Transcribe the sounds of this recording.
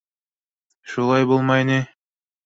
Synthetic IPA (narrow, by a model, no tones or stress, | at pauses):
ʃulˠɑjbulˠmɑjni